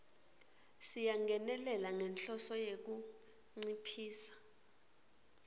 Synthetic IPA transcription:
sijaŋɡʱɛnɛlɛlaŋɛnɬɔsɔjek̬u | ŋ͡ǀipʰiːsḁ

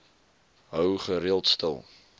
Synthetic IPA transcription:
ɦœwχəɾiəlˠtstə̰lˠ

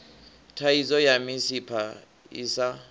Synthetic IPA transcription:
tʰaizɔjamisipʰa | isa

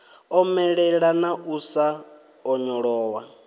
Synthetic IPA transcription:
ɔmɛɺɛɺanaʔusa | ɔɲɔɺɔːwa

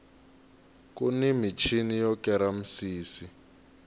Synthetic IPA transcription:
kunimit͡ʃʰinijɔkɛɾam̩siːsi

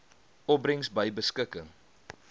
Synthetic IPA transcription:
ɔp̚brəŋsbəjbəskəkəŋ

